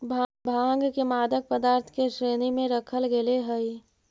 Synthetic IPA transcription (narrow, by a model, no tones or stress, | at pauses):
bʱbʱaːŋɡkemaːd̪ək̚pəd̪aːɾt̪ʰkeʃɾeːnimẽɾəkʰəlɡeleɦəi